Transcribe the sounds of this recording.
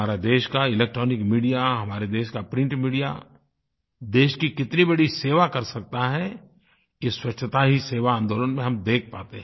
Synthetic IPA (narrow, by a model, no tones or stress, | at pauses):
aːɾad̪eːʃkaɪleːk̚ʈɾɔːnɪkmiːɖijaɦɐmaːɾed̪eːʃkapɾɪ̃ɳʈmiːɽija̰ | d̪eːʃkikɪt̪nibɐɽiseːʋakɐɾsɐk̚t̪aɦɛ | jeswɐt͡ʃːʃʰət̪aɦiseːʋaãːnd̪oːlənmẽɦɐ̃md̪eːk̚ʰpaːt̪eɦɛ̃